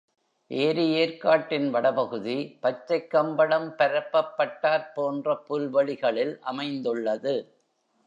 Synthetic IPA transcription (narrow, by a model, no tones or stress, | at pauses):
ʔeːɾɯeːɾkaːʈːɪnʋɐɽɐpɐɣɯðipɐt͡ʃːɐɪkːɐmbɐɽɐmpɐɾɐpːɐpːɐʈːaːɾpoːndrɐpʊlʋɐɭɪɣɐɭɪlʔɐmɐɪnd̪ɯɭːɐðɯ